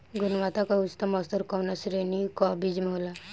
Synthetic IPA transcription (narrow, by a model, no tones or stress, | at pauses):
ɡunʋat̪akaust̪amɔst̪əɾkɔwnasɾenikɔbid͡ʒmeɦola